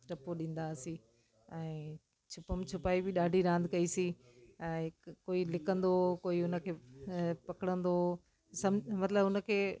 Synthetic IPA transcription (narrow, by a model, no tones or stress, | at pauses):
ʈɐpoɗĩːn̆d̪asi | ɛ̃ː | t͡ɕʰʊpəmt͡ɕʰʊpaːibɪɗaːɖʱiɾãːnd̪kɐisi | ɛ̃ːkoːilɪkə̃nd̪okoːiʊnə̆kʰeːpɐkɪɽə̃nd̪o | sɐmmɐt̪ɪləbʊnə̆kʰeː